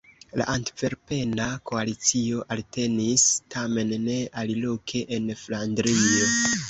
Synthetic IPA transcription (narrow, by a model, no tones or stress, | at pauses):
la̰ʔantve̞ɾpe̞nako̞alit͡sio̞ʔalte̞nistʰame̞nːe̞alilo̞kʰe̞ʔenflandɾio̞